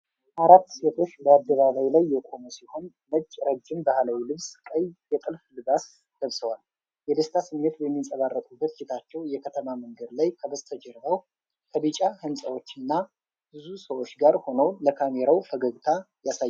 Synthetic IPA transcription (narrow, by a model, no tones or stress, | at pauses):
ʔaɾat̪ːse̞t̪ʰo̞t͡ʃːbəad̪ːəβaβajlajːɛkʼo̞musiho̞n | bət͡ʃʼːɾəd͡ʒːɪmbahlawilɨβskʼəjjɛt̪ʼɨlflɨbas | ɡ̥əβsəwal | jɛd̪ɨst̪ʰasɨmːet̪bɛmːisʼəβarːət̪ʼubːət̪d͡ʒʰit̪ʰat͡ʃːɛwjɛkʰət̪ʰəmaməŋɡəd̪lajkʰəbəzt̪ʰəd͡ʒɛɾbəw | kʰəbɨt͡ʃʼahɨnsʼəwo̞t͡ʃːɨnːa | b̥ɨzusəwo̞t͡ʃːɡaɾho̞nəwləkʰameɾawfəɡəɡt̪ʰa | jasaj